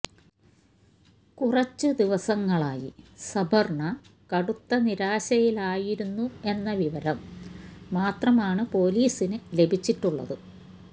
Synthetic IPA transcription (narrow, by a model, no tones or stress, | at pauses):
kurɐt͡ɕːɨd̪iʋɐsɐŋːɐɭaːjḭsɐbʱɐrɳɐkɐɽut̪ːɐniɾaːɕɐjilaːjiɾunːue̞nːɐʋiʋɐɾɐmː | aːt̪rɐmaːɳɨpo̞ːliːsinɨle̞bʱit͡ɕːiʈːuɭːɐ̰ðɨ